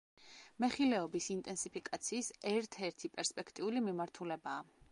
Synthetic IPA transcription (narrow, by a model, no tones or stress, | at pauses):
mɛχilɛɔbisint̪ʼɛnsipʰikʼat̪sʰiːsɛɾt̪ʰɛɾt̪ʰipʼɛɾspʼɛkʰt̪ʼiulimimaɾt̪ʰulɛbaː